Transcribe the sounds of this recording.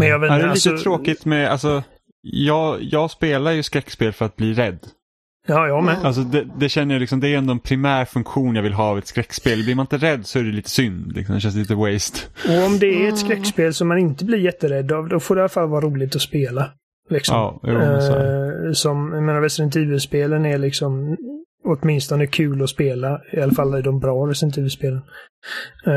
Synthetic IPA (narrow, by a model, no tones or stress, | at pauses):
mɛnjɑd̪ɛlit̪ət̪ʰɾoːkɪt̪mɛa̰lsɔ | jɑːɡjɑːɡspeːlaɾjɵskɾɛkːspeːlfœɾat̪̚bliːɾɛd̪ː | ɑːjɑmɛnals̬ɔd̪ɛd̪ɛɕɛnːəɾjalɪksɔmd̪ɛːɾɛnd̪oːɛnpʰɾɪmæːɾfɵŋkɧuːnjɑːvɪlɦɑːavɛt̪skɾɛkːspeːlblɪɾmanɪnt̪əɾɛd̪ːsɔæɾɛliːt̪ə̥sʏnd̪lɪ̰ksɔmd̪ɛɕ̬ɛns̬liːt̪əwɛjst̪ɔɔmd̪ɛæɛt̪skɾɛkːspeːlsɔmːanɪnt̪əbliːɾjɛt̪ːəɾɛd̪ːɑvd̪ɔfoːɖɛɪalːafalːvɑːɾuːlɪɡ̚t̪ɔspeːla | lɪksɔɑm̰ː | sɔmjameːnaɾɛst̪ɾɛnt̪ʰiːvəspeːlənælɪksɔm | ɔt̪mɪnst̪ɔnəkʰʉ̟ːlɔspeːlaɪalːafalːæjd̪ɔmbɾɑːɾɛstɛɾnt̪ʰiːvəspeːlən